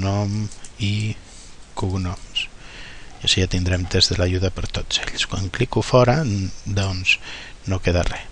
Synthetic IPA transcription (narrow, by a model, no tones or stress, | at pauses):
nɔmi | kuɣnɔms | aʃiat̪ind̪ɾɛmt̪ezðəlaʒuðəpəɾt̪oz̥ḛʎskwa̰ŋklikufɔɾəd̪ɔnz̥nokeðarɛ